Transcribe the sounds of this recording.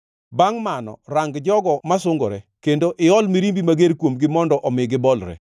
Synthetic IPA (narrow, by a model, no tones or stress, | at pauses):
baŋmanɔ̰raŋɡd͡ʒɔɡɔmasʊŋɡɔ̰ɾɛkendoʔɪɔlmiɾimbimaɡeɾkwomɡɪmɔndɔʔɔmɪɡɪbɔlɾɛ̰